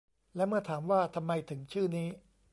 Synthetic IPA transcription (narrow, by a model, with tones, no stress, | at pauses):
lɛ˦˥mɯ˥˩ɐt̪ʰaː˩˦mwaː˥˩t̪ʰa˧mːa˧jt̪ʰɯ˩˦ŋt͡ɕʰɯː˥˩niː˦˥